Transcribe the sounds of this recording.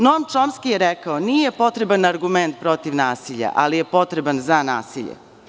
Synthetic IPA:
nomt͡ʃomskijeɾɛkaonijepo̞t̪ɾebanaɾɡument̪̚pɾo̞t̪iʋnaːsiʎa̰ʔalije̞po̞t̪ɾebanzanaːsiʎḛ

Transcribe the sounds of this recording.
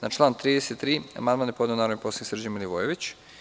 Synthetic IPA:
nat͡ʃlˠaːnt̪ɾiːd̪eset̪ːɾiːa̰mand̪manjepo̞d̪enaɾoimposiniksr̩d͡ʑimiliʋojeʋit͡ɕ

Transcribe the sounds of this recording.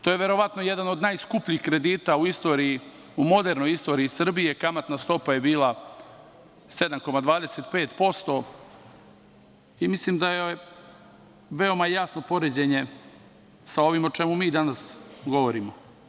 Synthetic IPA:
t̪oje̞ʋe̞ɾo̞ʋat̪noje̞d̪ano̞d̪najskupʎixkɾe̞d̪iːt̪auist̪o̞ːɾiji | umo̞d̪eɾno̞jist̪o̞ɾiisr̩bije̞kamat̪nast̪o̞paje̞biːlˠa | se̞d̪amko̞mad̪ʋaːd̪eset̪pe̞ːt̪po̞st̪o̞ | imislimd̪aje | ʋeo̞majasno̞po̞ɾed͡ʑe̞ɲe̞ | sao̞ʋimo̞t͡ʃe̞mumiːd̪anasɡo̞ʋo̞ɾimo

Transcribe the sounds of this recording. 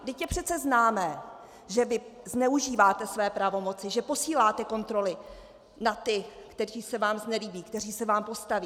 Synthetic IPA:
dɪcjɛpr̝̥ɛt̪t͡sɛznaːmɛː | ʒɛvɪznɛuʒiːvaːt̪ɛsvɛːpɾavo̞mo̞t͡sɪʒɛpo̞siːlaːt̪ɛko̞nt̪ɾo̞lɪ | nat̪ɪkt̪ɛriːsɛvaːmznɛliːbiːkt̪ɛr̝iːsɛvaːmpo̞st̪aviː

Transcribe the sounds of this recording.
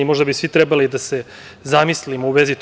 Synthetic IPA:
imo̞ʒd̪abisʋit̪ɾebalid̪ase̞ | zamislimouʋezit̪

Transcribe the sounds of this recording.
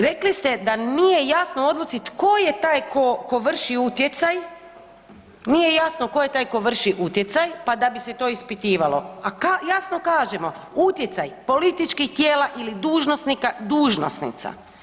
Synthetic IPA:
ɾe̞klist̪e̞d̪anije̞jasnoo̞d̪lut̪sit̪ko̞je̞t̪aːjko̞ko̞ʋr̩ʃiut̪jet̪saj | nije̞jasnokojet̪aːjko̞ʋr̩ʃiʔut̪je̞t̪sajpad̪abise̞t̪o̞ispit̪iːʋalo̞̰akajasno̞kaːʒemo̞ | ut̪jet̪sajpo̞lit̪it͡ʃkixt̪jeːlaʔilid̪uːʒnosnikad̪uːʒno̰snḭt̪sa̰

